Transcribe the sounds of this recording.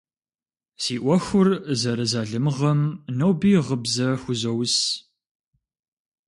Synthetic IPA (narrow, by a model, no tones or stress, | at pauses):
siːʔʷɔxʷʊrzɐɾɐzaːɮɨmʁɐmnɐwbiːʁəbzɐxʷʊzɐws